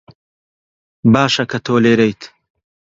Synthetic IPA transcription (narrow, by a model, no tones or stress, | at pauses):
baːʃɐkʰɐt̪ʰoːleːɾejt̪ʰ